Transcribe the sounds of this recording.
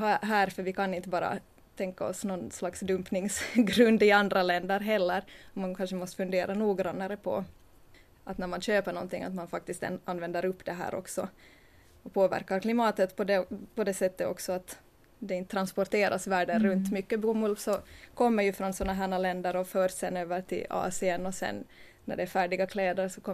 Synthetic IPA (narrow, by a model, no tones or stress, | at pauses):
ɦaɦæːɾfœɾʋɪkʰanɪnt̪əbɑːɾa̰ | t̪ʰɛŋkaɔsnɔnslaksd̪ɵmpnɪŋsɡɾɵnd̪ɪand̪ɾalɛnd̪əɾɦɛlːəɾɔmankʰanʂəmɔst̪ə̥fɵnd̪eːɾʔanuːɡɾɑnːaɾəpʰɔ̰ | ʔat̪næɾmanɕøːpəɳɔ̰nt̪ɪŋa̰t̪manfak̚t̪ɪst̪ɛ̰nʔanvɛnd̪əɾɵpːd̪ɛɦæ̰ːɾʔɔ̰ksɔ | ɔpʰoːvæ̰ɾkaɾkʰlɪmɑːt̪ət̪pʰɔd̪ɛpɔd̪ɛsɛt̪ːəɔ̰ksɔat̪ | d̪ɛɪnt̪ət̪ʰːɾanspɔɾt̪eːɾʔasvæːɖənɾɵnt̪mʏkːəbuːmʉlvsɔkʰɔmːəɾjɵfɾɔnsɔnːaɦæːɳalɛnd̪əɾɔføːɾsɛnøːvəɾʈʰɪ̰lɑ̰ːsɪənɔsɛ̰nː | æ̰ɖɛæɾfæːɖɪɡakʰlɛːd̪əɾsɔkʰɔ